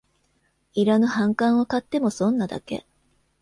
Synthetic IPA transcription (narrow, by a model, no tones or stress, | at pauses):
iɾanohãŋkãɰ̃o̞kat̪ːe̞mo̞sõ̞nːad̪a̰ke̞̰